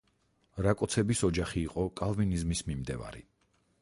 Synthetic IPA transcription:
ɾakʼɔt̪sʰɛbisɔd͡ʒaχiːqʼɔkʼalˠvinizmismimd̪ɛ̰va̰ɾḭ

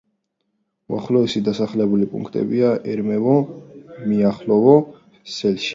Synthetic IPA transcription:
uaχlɔɛsid̪asaχlɛbulipʼṵ̃ŋkʰt̪ʼɛ̰biaʔɛɾmɛvɔ | miaχlɔvɔ | sɛlʃ

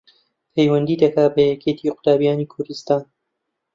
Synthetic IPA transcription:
pʰejwɐnd̪iːd̪ɐkaːbɐjɛkʰet̪ʰiːqʊ̥t̪aːbijaːniːkʰʊɾd̪ɨst̪aːn

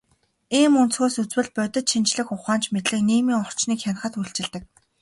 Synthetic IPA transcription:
iːmunt͡sxoːsut͡swɘ̆ɮpœt̪ɪ̆t̪ʃint͡ɕɮɘ̆xʊχaːnt͡ɕmet̪ɮɘ̆kniːmiːŋɔr̥t͡ɕniːkxʲan̆χə̆t̪uɬt͡ɕɪ̆ɮt̪ɘ̆k̚

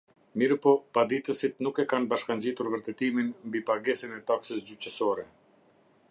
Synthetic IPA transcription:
miɾpɔpad̪it̪əsit̪nukɛkanbaʃkaɲd͡ʑit̪uɾvəɾt̪ɛt̪iminmbipaɡɛsinɛt̪aksəsd͡ʑycəsɔɾɛ

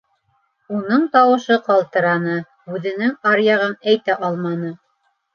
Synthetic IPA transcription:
unɤɴt̪ɑwɤ̆ʃɤqɑlˠt̪ɤ̆ɾɑnɤ | ʉðɘ̆nɘŋɑɾjɑʁɤnæjt̪æʔɑlˠmɑnɤ

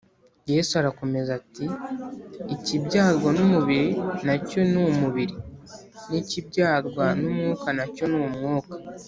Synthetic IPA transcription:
je̞ːsuaɾako̞me̞zatiː | cibɟaːɾɡwanumuβiɾinaco̞numuβiɾi | nicibɟaːɾɡwanumŋuːkanaco̞nuumŋoːkḁ

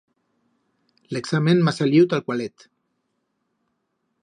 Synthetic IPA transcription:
leksamẽnmasaliwt̪alkwalet̪

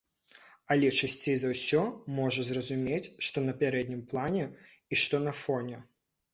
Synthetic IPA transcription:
ɐlʲɛt͡ʂasʲt͡sʲejzɐwsʲɔmɔʐɐzrɐzumʲet͡sʲʂt̪ɔnɐpʲaɾɛd̪̚ʲnʲimplˠanʲɛ | iʂt̪ɔnɐfɔnʲɛ

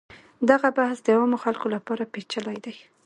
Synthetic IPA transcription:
d̪aɣabahsd̪əawamoxalkolapɑɾapet͡ʃəlajd̪aj

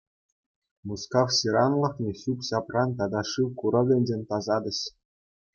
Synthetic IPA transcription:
muskɑfsʲiɾɑnlˠɤ̆xnʲĕɕupɕɑprɑnt̪ɑd̪ɑʂɯwkuɾɤ̆ʋʲlʲĕnʲd͡ʑʲenʲt̪ɑzɑd̪ʲɘ̆ɕ

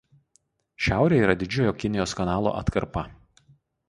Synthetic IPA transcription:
ʃʲæˑʊɾʲeːiːɾɐd̪ʲɪd͡ʒʲoːjoːkʲɪnʲɪjoːskɐnɑːlˠo̰ːʔɐ̰t̪kɐɾpɐ

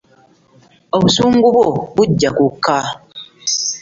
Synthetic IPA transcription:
oβusuːŋɡuβobuɟːakukʰːa

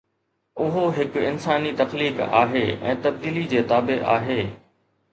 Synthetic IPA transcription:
ʊɦoɦɪkɪnsaːnit̪ɐxliːka̰ːɦeːɛ̰̃ːt̪ɐb̚d̪iːlid͡ʑeːt̪aːbeʔa̰ːɦeː

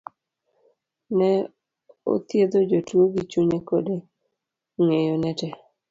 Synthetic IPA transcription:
nɛ | o̰t̪jed̪od͡ʒotwoɡit͡ʃuɲekode | ŋejonɛtɛ

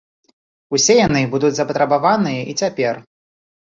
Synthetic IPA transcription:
usʲɛjanɨbud̪ud͡zʲzɐpɐt̪ɾɐbavanɨjɐʔit͡sʲapʲɛr

